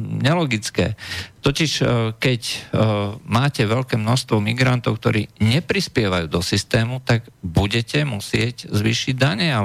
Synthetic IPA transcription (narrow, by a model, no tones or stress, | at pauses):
ɲɛlɔɡit͡skɛ̰ːt̪ɔciʃkɛc | maːcɛʋɛʎkɛːmnɔʃst̪ʋɔmiɡɾant̪ɔʊk̚t̪ɔɾḭːɲɛpɾispɪɛʋajuːd̪ɔsist̪ɛːmut̪aɡbuɟɛcɛmusɪɛɟzʋiːʃiɟd̪aɲɛa